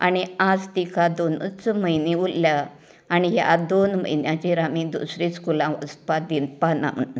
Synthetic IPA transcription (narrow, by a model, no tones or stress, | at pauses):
a̰ñiad͡zt̪ikad̪onət͡sməjniulljaː | niɦja̰d̪onm̤ə̰jnjãt͡ɕeɾamid̪ṵsɾĩskulãʋə̰spad̪inpanã̰m̤ə̰ʈna